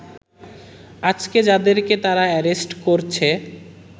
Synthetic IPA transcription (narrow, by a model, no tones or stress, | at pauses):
ad͡ʑked͡ʑad̪eɾket̪aɾaɛɾesʈkoɾt͡ɕʰe